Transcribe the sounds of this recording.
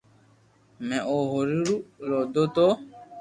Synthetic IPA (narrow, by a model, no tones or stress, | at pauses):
mɛ̃ʔoɦoɾiɾulodoto